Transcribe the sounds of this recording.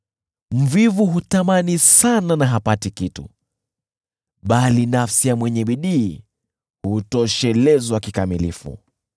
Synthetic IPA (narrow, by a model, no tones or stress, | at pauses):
m̩vivuɦutamanisananaɦapatikitṵ | ɓalinafsijamwɛɲɛɓiɗiː | hutɔʃɛlɛzwakikamilḭfṵ